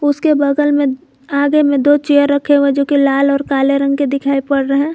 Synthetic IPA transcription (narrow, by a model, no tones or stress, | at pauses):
ʊskebəd̪əlmẽ | aːɡemẽd̪ot͡ʃejəɾːəkʰeɦoɦɛ̃d͡ʒoːkilaːlɔːɾkaːleɾə̃ŋɡ̚ked̪ɪkʰaːipɐɽɾəɦɛ̃ː